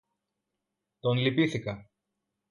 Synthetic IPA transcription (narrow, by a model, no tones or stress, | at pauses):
t̪o̞nlipiθikɐ